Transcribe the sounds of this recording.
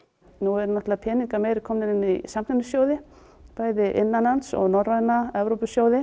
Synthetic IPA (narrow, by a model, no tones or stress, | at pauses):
nuɛɾnɔht̪lðapʰɛːniŋkameːjɾɪkʰɔːmnɪɾɪnːisamt̪ɪnʏsjoːwðɪ | paːjðɪʔɪ̰nːanansɔ̰ɣnɔrrajnaɛvɾowpʏsjoːwðɪ